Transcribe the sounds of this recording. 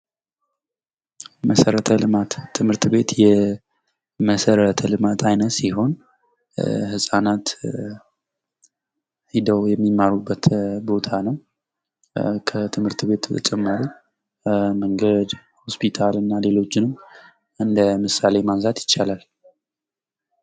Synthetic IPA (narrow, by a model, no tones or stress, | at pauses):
məsəɾət̪ʰəlɨmat̪ʰːɨmhɨɾt̪be̞t̪jɛ | məsəɾət̪ʰəlɨmat̪ʰajnət̪siho̞n | hɨsʼanat̪ | hid̪əwjɛmːimːaɾubːət̪bo̞t̪ʰanəw | kʰət̪ʰɨmhɨɾt̪be̞t̪t͡ʃʼɛmːəɾu | məŋɡəd̪ | hospʰit̪ʰalɨnːale̞lo̞t͡ʃːɪnɨm | ɨnd̪əmɨsale̞manzat̪jɪt͡ʃːalal